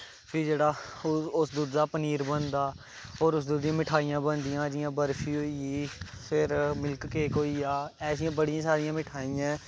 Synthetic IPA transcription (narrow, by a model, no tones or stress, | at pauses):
pʰɪɾd͡ʒeːɽaːʊsd̪uːd̪ːaːpəniːɾbənd̪aː | oːɾʊsd̪uːd̪ɪjãːmɪʈʰaːijãːbənd̪ɪjãːd͡ʒɪjãːbəɾpʰiːɦoːiiːpʰɪɾmɪlkkeːkɦoːiaːɛːsɪjãːbəɽɪjãːsaːɾɪjãːmɪʈʰaːijãː